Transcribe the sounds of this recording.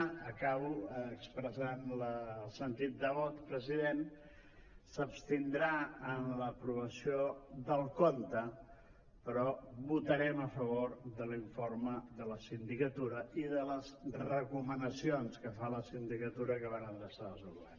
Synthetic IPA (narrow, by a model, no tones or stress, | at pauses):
əkaβuːkspɾəzanləlˠsənt̪it̪̚d̪əβɔt̪pɾəziðen | səpst̪ind̪ɾaənləpɾuβəsioðəlˠkont̪ə | pəɾɔβut̪əɾɛməfəβoɾðəliɱforməðələsind̪ikət̪uɾəiðələzrəkumənəsionskəfaləsind̪ikət̪uɾəkəβanənd̪əsaəsuɣɛ̰